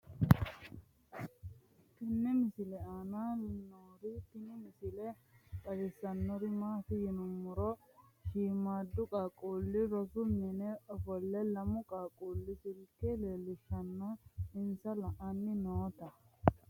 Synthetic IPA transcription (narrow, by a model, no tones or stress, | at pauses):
t̪ɪnːɛmɪsɪlɛaːnanoːɾɪt̪ɪnɪmɪsɪlɛ | kʼɐdɪsːɐnːɔɾɪmaːfɪjɪnʊmːʊɾɔʃiːmaːd̪ːʊkʼaːkʼuːlːɪɾɔsʊmɛnɛɔfɔlːɛlɐmʊkʼaːkʼuːlːɪsɪlkɛleːlɪʃɐnːaɪnsɐlɐʔanːɪnoːt̪ɐ